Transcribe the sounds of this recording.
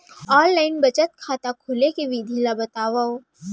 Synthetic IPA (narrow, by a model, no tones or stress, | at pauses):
ɔːllaːɪnbɐt͡ʃət̪̚kʰaːt̪akʰʊːlekeʋid̪ʱiːlabɐt̪aːʋao